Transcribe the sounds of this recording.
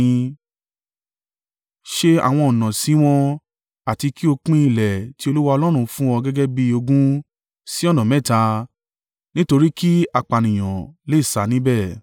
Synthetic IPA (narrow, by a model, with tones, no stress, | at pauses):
ʃe˦a̰˨w̃ɔ̃˧ɔ˨nã˨si˨˦w̃ɔ̃˧ | a˨ti˧ki˦o˧k͡pĩ˦i˧˨lɛ˨ti˦o˧lu˦wa˧ɔ˧lɔ˦ɾ̃ũ˧fũ˦ɔ˧ɡɛ˦ɡɛ˦bi˧o˧ɡũ˦ | si˦ɔ˦˨nã˨mɛ̃˦˨ta˧ | nĩ˦to˧ɾi˦ki˦a˧k͡pa˨nĩ˨j̃ɔ̰̃˨le˦˨sa˨˦nĩ˦bɛ˦˨